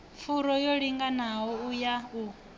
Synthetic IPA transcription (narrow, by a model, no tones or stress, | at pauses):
p̪fʰuɾɔjoɺiŋɡanaɦɔujau